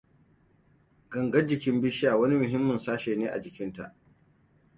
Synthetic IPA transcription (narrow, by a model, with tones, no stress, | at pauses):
ɡɐ˨ŋɡɐ˦d͡ʒɪ˨kʲɪ˦mbɪ˦ʃaː˨wɐ˦ni˦mʊ˨ɦɪ˦mːɐ˨nsaː˦ʃeː˨neː˦ʔa̰˨d͡ʒɪ˨kʲɪ˦nta̰˨ʔ